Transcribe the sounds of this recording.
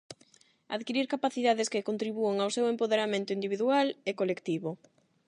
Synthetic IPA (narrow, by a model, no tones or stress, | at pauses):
a̰ðkiɾiɾkapaθiðaðɪskɪkont̪ɾiβueŋawsewempoðeɾamẽnt̪ʊind̪iβiðualekolekt̪iβo